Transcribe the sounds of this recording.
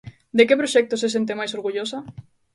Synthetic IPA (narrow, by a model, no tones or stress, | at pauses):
d̪ekepɾoʃɛk̚t̪oses̬ent̪̬emajsoɾɣuʎosa